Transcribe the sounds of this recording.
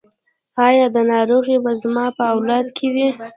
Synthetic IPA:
ɑjɑd̪ənɑɾoɣibazmɑpəawlɑd̪kʰewi

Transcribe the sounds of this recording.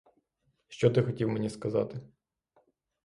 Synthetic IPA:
ʃt͡ʃɔt̪ɪxɔtʲiwmenʲiskɐzɑ̰t̪ɪ

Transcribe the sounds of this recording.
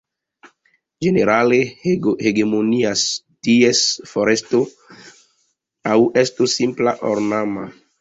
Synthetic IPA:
d͡ʒe̞ne̞ɾale̞heɡemonias | tiesfoɾe̞sto | awestusːimplaʔoɾnama

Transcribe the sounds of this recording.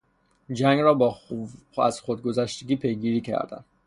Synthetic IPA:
d͡ʒæŋɡɾɒːbɒː | æz̥xod̪̚ɡo̞zæʃt̪eɡʲiːpʰe̞jɡiːɾiːcʰæ̰ɾd̪æ̰n

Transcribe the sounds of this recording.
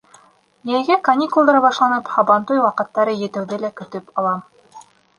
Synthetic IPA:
jæjɡækɐnʲikulˠd̪ɑɾɑβɑʃlˠɑnɤphɑβɑnt̪ujwɑqɤ̆t̪ːɑɾɤjɘ̆t̪ɘ̆wðɘlækɵ̆t̪ɵpɑlˠɑm

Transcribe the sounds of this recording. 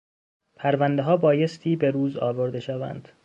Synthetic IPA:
pʰæɾvænd̪eɦɒːbɒːje̞st̪ʰiːbe̞ɾuːzɒ̰ːvo̞ɾd̪e̞ʃævæ̰nd̪̥

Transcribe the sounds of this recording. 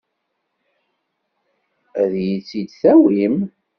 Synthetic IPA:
æðjit͡sːid̪θæwim

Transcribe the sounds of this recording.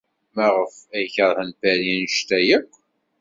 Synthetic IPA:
mæʁəfæjçəɾˤhənfæɾinʃt̪æjəqʷː

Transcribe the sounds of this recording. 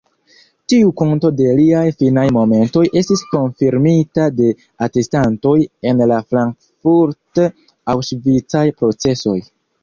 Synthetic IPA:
tiukonto̞de̞liajfinajmo̞me̞nto̞jʔe̞stisko̞nfiɾmitade̞ | ate̞stanto̞je̞nlafɾaŋk | fuɾt | awʃvit͡sajpɾo̞t͡se̞so̞j

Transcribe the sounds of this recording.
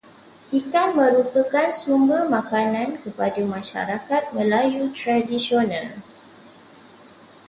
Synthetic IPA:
ʔikanmə̃ɾupəkansumbərmãkanãnkəpadamãʃa̰ɾakat̪̚mə̃lajut̪ɾadisionãl

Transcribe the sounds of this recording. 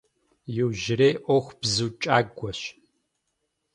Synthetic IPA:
jɪwʒɪɾeːʔʷɔxʷbzuːt͡ʃʼaːɡʷɔɕ

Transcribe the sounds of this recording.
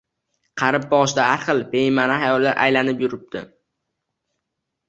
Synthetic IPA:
qʰɑɾɪp̚bɒʁʃd̪ahaɾχɨlˠpejɪmanahajɒlˠːaɾʔa̰jlanɪpjʊɾɪp̚d̪̥ɪ̰

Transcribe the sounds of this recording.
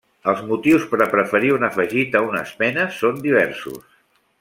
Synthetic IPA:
əlˠzmut̪iwspəɾəpɾəfəɾiunəfəʒit̪əunə̰spɛnəsond̪iβ̞ɛɾsṵs

